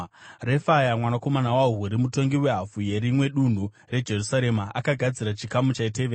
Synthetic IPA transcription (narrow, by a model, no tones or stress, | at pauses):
re̞fajamwanako̞manawauɦuɾimuto̞ŋɡiwe̞ɦafuje̞ɾimwe̞ɗun̤u | re̞d͡ʒe̞rusaɾe̞maʔakaɡʱad͡ziɾat͡ʃikamut͡ʃaite̞ʋeːra